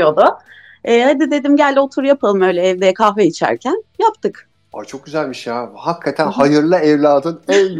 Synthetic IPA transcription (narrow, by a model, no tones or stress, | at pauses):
jo̞d̪ʊ | ɛːhad̪id̪e̞d̪imɟælʲd̪io̞t̪ʰuɾjapʰalˠɯmø̞ːjlʲɛːvd̪ejɛkʰahveit͡ʃʰæ̰ɾcʰænjapt̪ʰɯk | a̰t͡ʃʰo̞k̚ɟyzælʲmiʃjahakʰːat̪ʰænhajɯɾlˠaɛvlʲaːd̪ɯnɛl